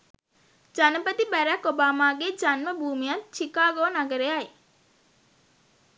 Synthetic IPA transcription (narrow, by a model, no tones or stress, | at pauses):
d͡ʒanəpət̪ibæɾækobaːmaːɡed͡ʒanməbuːmijat̪t͡ʃikaːɡoːnaɡəɾeaj